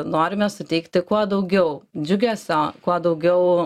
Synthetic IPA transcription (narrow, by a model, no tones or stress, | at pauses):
noːɾʲɪmʲɛsʊt̪ʲɛɪkt̪ʲɪkuɔd̪ɐʊɡʲɛʊd͡ʒʲʊɡʲɛːsʲɛkuɔd̪ɐʊɡʲɛʊ